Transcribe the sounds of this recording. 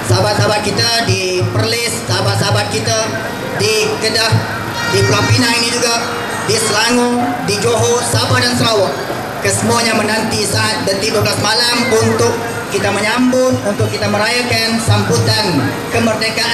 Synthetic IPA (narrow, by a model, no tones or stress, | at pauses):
sabat̪̚sabat̪̚kit̪adipərlɪsːabatsabat̪̚kit̪a | dikədah | diplapinainid͡ʒuɡa | disəlaŋudid͡ʒoɦɔsabadansəɾawɔʔ̚ | kəsəmuaɲamənant̪isaat̪̚bənt̪ibukasmalamunt̪ʊkː | it̪aməɲambʊŋunt̪ʊkːit̪aməɾajakansambut̪an | kəmərdekaʔ